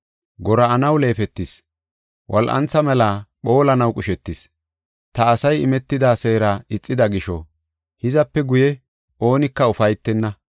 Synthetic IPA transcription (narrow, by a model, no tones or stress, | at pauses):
ɡɔɾɐːnɐwle̞ːfɛt̪ːɪs | wʔɐlʔɐ̰nt͡sːɐmɛlaːɓo̞ːlɐnɐwkʼʊʃɛt̪ːɪs | t̪ɐːsɐjɪ̰mɛt̪ːɪd̪aːse̞ːɾaɪt͡sʼːɪd̪ɐɡɪʃɔ̰ | hɪzɐpːɛɡʊjɛ | ʔo̞ːnɪkːɐʊfɐjt̪ːɛnːɐ